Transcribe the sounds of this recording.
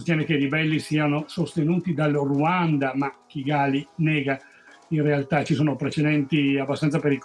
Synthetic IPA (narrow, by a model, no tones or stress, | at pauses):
st̪jɛːnekeiɾibɛlːisiːanosost̪enuːt̪id̪alːruand̪amak̟ːiɡaːlinɛːɡa | inrealt̪at͡ʃisoːnopɾet͡ʃed̪ɛnt̪iabːast̪ansapeɾik